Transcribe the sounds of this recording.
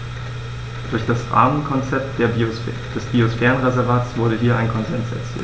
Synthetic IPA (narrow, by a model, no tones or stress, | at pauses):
d̥ʊɐçd̥asʁa̰ːɐmənkʰɔnt͡sɛp̚td̥eɐ | d̥ɛsb̥iosfɛːʁənʁezɛɐvaːtsv̥ʊɐɾəɦiːɐʔaɪnkʰɔnzɛnsɛ̰ɐt͡sḭːl